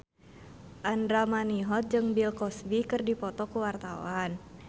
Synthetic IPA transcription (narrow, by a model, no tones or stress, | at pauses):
ʔandɾamaniɦɔt̪̚d͡ʒɨŋbilkɔsbikɨrdipɔt̪ɔkuwart̪awan